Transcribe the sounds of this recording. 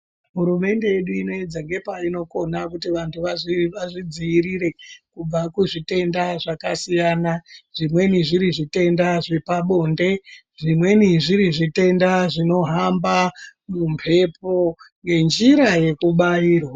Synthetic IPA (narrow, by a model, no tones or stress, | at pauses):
ɦuɾume̞nde̞jeɗuino̞ed͡zaŋɡe̞paino̞ko̞nakutiʋantʰuʋaʋaʐid͡ziːɾiɾe̞kub͡vakuʐite̞ndaʐakasijaːnaʐ̥imwe̞niʐiɾiʐite̞ndaʐepaɓo̞ːnde̞ | ʐimwe̞niʐiɾiʐite̞ndaʐino̞ɦambamumpʰe̞po̞ŋɡe̞nd͡ʒiɾaje̞kuɓaiːrwa